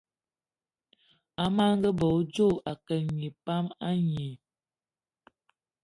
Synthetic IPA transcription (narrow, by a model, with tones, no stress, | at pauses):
a˨ma˦ŋ˦ɡə˦bɔ˨˦d͡ʒo˦˨ʔa˨kə˨ɲi˨pa˦ma˦ɲi˨